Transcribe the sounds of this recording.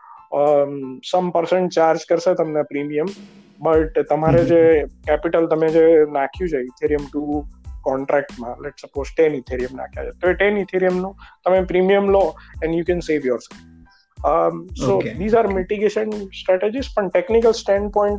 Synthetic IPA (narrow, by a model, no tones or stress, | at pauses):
səmpəɾsə̃ɳʈ̚t͡ʃaɾd͡ʒkəɾʃet̪əmnepɾimijəm | bəʈt̪əmaɾed͡ʒekɛpɪʈəlt̪əmed͡ʒenakʰjũt͡ʃʰeɪt̪ʰiɾijəmʈukɔ̃ɳʈɾɛk̚ʈmãlɛʈsəpoːzʈenit̪ʰiɾiəmna̰kʰja̰t͡ʃʰet̪oeʈenit̪ʰiɾijəmnũt̪əmepɾimijəmloɛ̃nɖjukɛ̃nseʋjɔɾsɛlf | sod̪iːzaɾmɪʈiɡeʃə̃nsʈɾɛʈed͡ʒizpəɳʈeknikəlsʈɛ̃ɳɖ̚pɔ̃ɪ̃ɳʈ